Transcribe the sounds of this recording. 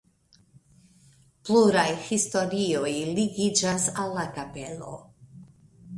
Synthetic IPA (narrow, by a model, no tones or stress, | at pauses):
pluɾajhisto̞ɾio̞jliɡid͡ʒasalːakape̞lo̞̰